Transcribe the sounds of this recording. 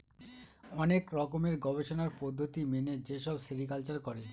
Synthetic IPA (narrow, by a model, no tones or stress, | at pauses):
ɔnekɾɔkomeɾɡɔbeʃonaɾpɔd̪ʱːot̪imened͡ʑeʃɔbsiɾikalt͡ɕaɾkɔɾe